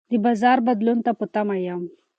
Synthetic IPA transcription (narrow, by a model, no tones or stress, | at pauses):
d̪ibazaɾbəd̪lunt̪aput̪amajam